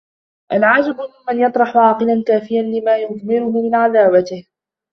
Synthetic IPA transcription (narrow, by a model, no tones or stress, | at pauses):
ʔalʕaːd͡ʒɪbʊmɪnmanjɑt̪ˤɾˤɑħʊʕɑːqɨlankaːfɪjanlɪmaːjʊðmɪɾʊhʊmɪnʕaðaːwat̪ɪh